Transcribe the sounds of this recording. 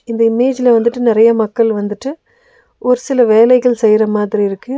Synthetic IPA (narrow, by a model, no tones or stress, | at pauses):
ɪnd̪ɐɪmeːd͡ʒɪlɐʋɐnd̪ɯʈːɯnɪɾɐjɐmɐkːɐɭʋɐnd̪ɯʈːɯ | ʔɔɾɯsɪlɐʋeːlɐɪɣɐɭsɛjɾɐmaːðɪɾiɪɾɯkːɯ